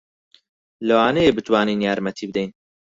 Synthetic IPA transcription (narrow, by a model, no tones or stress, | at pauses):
lɨwaːnejeːbɨt̪wɑːniːnjaːɾmɛt̪ʰiːbɨd̪ɛjn